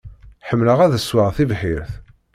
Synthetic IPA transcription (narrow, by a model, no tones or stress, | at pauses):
ħəmːləʁæðəswəʁθivħiɾθ